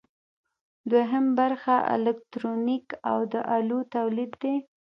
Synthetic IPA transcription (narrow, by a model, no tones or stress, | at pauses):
d̪weɦəmbaɾxaʔɪ̰lɛk̚t̪ɾonika̰wd̪əʔalut̪awlid̪ːe